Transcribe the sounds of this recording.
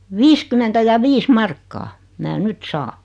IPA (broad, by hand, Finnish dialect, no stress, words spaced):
ʋiːskymentæ jɑ ʋiːs mɑrkːɑː mæː nyt sɑː